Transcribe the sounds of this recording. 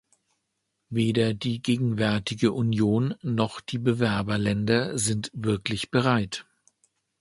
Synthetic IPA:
veːdɐdiːɡeːɡŋ̩vɛɐtɪɡəʔunjoːnːɔχd̥iːbəvɛɐbɐlɛndɐzɪntv̥ɪɐklɪçb̥əʁaɪt

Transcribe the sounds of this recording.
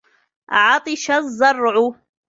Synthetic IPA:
ʔʕɑt̪ˤɨʃazˤːɑrˤʕʊ

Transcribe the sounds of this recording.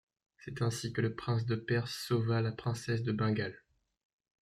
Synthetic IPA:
sɛt̪ɛ̃sikələpχɛ̃s̬d̪əpɛʁsːovalapχɛ̃sɛs̬d̪əbɛ̃ɡal

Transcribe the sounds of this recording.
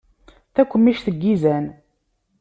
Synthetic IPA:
θækʷːəmːiʃθəɡːizæn

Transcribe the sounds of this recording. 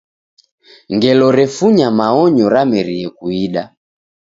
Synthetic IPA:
ŋɡɛlɔɾɛfuɲamaɔɲɔɾamɛɾiɛkuiɗa

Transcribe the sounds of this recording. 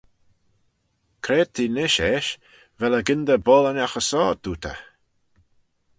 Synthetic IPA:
kʰɾeːd̚t̪ʰiːnɪʃɛʃ | vɛləɡɪnd̪əbɔːlənʲaxəsɔːd̪̥uːt̪ʰə̰

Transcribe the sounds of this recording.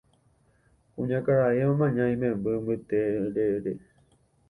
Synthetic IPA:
kũɲãkaɾaeõmãɲãĩmẽmbɨmbɨt̪eɾeɾe

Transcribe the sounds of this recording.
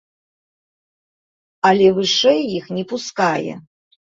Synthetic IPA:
alʲɛvɨʂɛjːixnʲɛpuskajɛ̰

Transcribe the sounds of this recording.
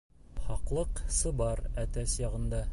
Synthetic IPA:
χɑqlˠɤqsɤ̆bɑɾæt̪æsjɑʁɤ̆nd̪ɑ

